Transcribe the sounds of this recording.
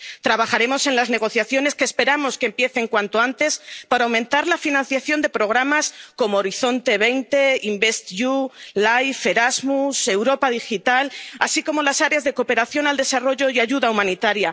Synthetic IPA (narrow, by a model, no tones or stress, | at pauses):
t̪ɾaβaχaɾe̞mo̞se̞nlazne̞ɣ̞o̞θjaθjo̞ne̞skeːspe̞ɾamo̞skempje̞θe̞ŋkwant̪o̞ant̪e̞spaɾawmẽnt̪aɾlafinãn̟θjaθjo̞nd̪e̞pɾo̞ɣ̞ɾamasko̞moːɾiθo̞nt̪e̞β̞e̞jnt̪e̞imbe̞st̪ʝulajfe̞ɾazmuse̞wɾo̞pað̞ixit̪alasiko̞mo̞lasaɾeazðe̞ko̞pe̞ɾaθjo̞nald̪e̞saro̞ʝo̞iaʝuðaumãnit̪aɾja